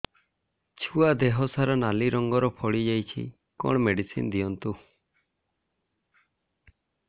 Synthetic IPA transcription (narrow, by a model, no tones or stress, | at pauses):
t͡ʃʰuad̪eɦɔsaɾɔnaliɾɔŋɡɔɾɔpʰɔɽid͡ʒajt͡ʃʰḭ | kɔ̰ɳ̃meɖisḭnd̪iɔnt̪u